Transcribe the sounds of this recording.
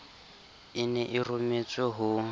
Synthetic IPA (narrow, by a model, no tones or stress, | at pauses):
inɛʔirumet͡sʼɛɦu